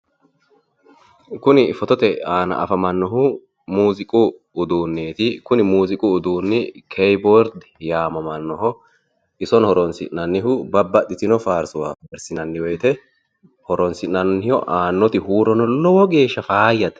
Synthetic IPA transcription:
kʊnɪfɔt̪ɔt̪ɛaːnɐ̰ʔɐ̰fɐmɐnːɔɦʊ | muːzɪkʼʊː | d̪uːnːeːt̪ɪkʊnɪmuːzɪkʼʊːd̪uːnːɪkʰɛjbɔɾd̪ | jaːmɐmɐnːɔɦɔ | ɪsɔnhɔɾɔnsɪ̰ʔnɐnːɪɦʊbɐbːɐt̪ːɪt̪ɪnɔfaːɾsʊwaːfɛbɛɾsɪnɐnːɪwɔjt̪ɛ | hɔɾɔnsɪnɐnːɪjɔʔaːnːɔt̪ɪhuːɾɔnɔlɔwɔɡe̞ːʃːɐfaːjːɐt̪

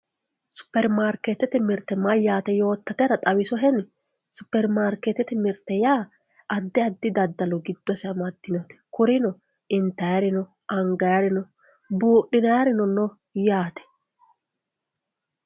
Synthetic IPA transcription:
sʊ̥pːɛɾmaːɾkɛt̪ɛt̪ɪmɪɾt̪ːɛmɐjaːt̪ɛjo̞ːt̪ːɐt̪ɛɾɐt̪ʼɐwɪsɔɦɛn | sʊpːɛɾmaːɾket̪ːɛt̪ɪmɪɾt̪ːɛjaː | ʔɐd̪ːɪɐd̪ːɪd̪ɐd̪ːɐlɔɡɪd̪ːɔsɛɐmɐd̪ːɪnɔt̪ɛ̥kʊɾɪnɔ | ɪnt̪ːɐjɐɾɪnɔ | ʔɐŋɡɐjɐɾɪnɔ | buːɗːɪnɐjɐɾɪnɔnɔ | jaːt̪ɛ̥

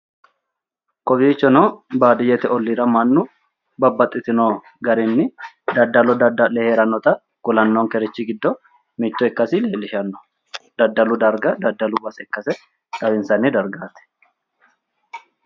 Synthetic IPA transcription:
kʼɔbiːt͡ʃːɔnobaːd̪ɪjɛt̪ɛʔɔlːiːɾɐmɐnːʊ | bɐbːɐt̪ʼːɪt̪ɪnoː | ɡɐɾɛnːɪ | d̪ɐd̪ːɐlɔd̪ɐd̪ɐlɛheːɾɐnɔt̪ɐ | ɡ̥ʊlɐnːoŋkɛɾɛt͡ʃːɪɡɪd̪ːɔ | mit̪ːɔɛkːɐsɪleːlːɪʃɐnːɔ̥ | d̪̥ɐd̪ːɐlʊd̪ɐɾɡɐd̪ɐd̪ːɐlʊbɐsɛkːɐsɛ | kɐbɪnsɐnɪd̪ɐɾɡaːt̪ɛ̥

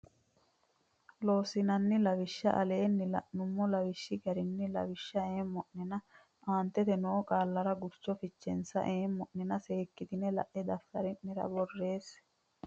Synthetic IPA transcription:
lo̞ːsɪnɐnːɪlɐwɪʃːɐ̰ʔɐle̞ːnːɪlɐ̰ʔnːʊmːɔlɐwɪʃːɪɡɐɾɪnːɪlɐ̰wɪʃːɐeːmːɔʔnɪnɐ | ʔaːnt̪ɛt̪ɛnoːkʼaːlːɐɾɐɡʊɾt͡ʃːɔfɪt͡ʃːɛ̰nsɐ̰ʔeːmːɔʔːɪnɐse̞ːkːɪt̪ɪnɛlɐ̰ʔɛd̪ɐft̪ɐɾɪʔːɪɾɐ̰bɔrːe̞ːs

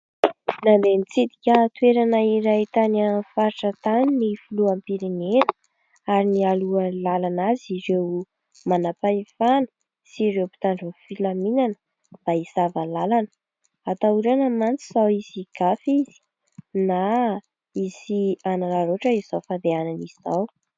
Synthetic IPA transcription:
nand̪enit͡sid̪i̥kʲət̪weɾanəiɾait̪anafaɾiʈ͡ʂət̪aninifuluampiɾinenə̥ | aɾinialuəlalanaziɾew | manapaifanə̥ | siɾewpi̥t̪aɳɖ͡ʐəfilaminanə | b̥aisavalalanə | at̪auɾanəmant͡siz̥awiz̥iɡ̥afizi̥ | na | iziananaɾoʈ͡ʂəizizawfand̪eananizizaw

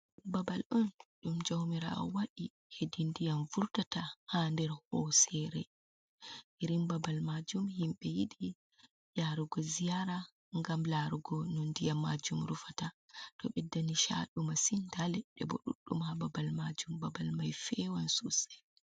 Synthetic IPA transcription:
babalɗunɗumd͡ʒawmiɾa̰ɔ̰waɗi | hedindijanvuɾtatahandɛɾhɔsɛɾɛ | ʔiɾimbabalmad͡ʒumhimɓɛjiɗi | jaɾuɡɔzijaɾa | ŋɡamlaɾuɡɔnɔndijamad͡ʒumɾufatatɔɓɛdːaniʃa̰ɗumasintalɛɗɛbɔ̰ɗṵɗːṵmhababalmad͡ʒumbabalmajfɛwansusɛ̥

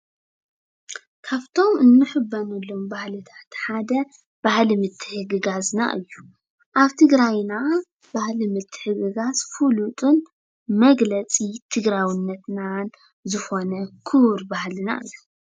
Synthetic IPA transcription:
kʰaβt̪ʰo̞mɨnːɨħɨbːɐnulːombahlɨt̪ʰḁt̪ħad̪ɐ | b̥ahlimɨt̪ʰːɨ̥ħɨɡɨɡazna̰ʔɨjːu | ʔaβt̪ʰɨɡɾajna | b̥ahlimɨt̪ʰːɨ̥ħɨɡɨɡazfulut̪ʼɨn | mɐɡlɐt͡sʼit̪ʰɨɡɾawinːɐt̪nan | zɨxo̞nɐkʰɨɾbahlɨna̰ʔɨ̰jːu

